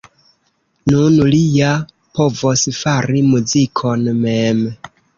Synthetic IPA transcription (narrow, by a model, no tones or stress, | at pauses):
nunlija | po̞vosfaɾimuzikʰo̞nmem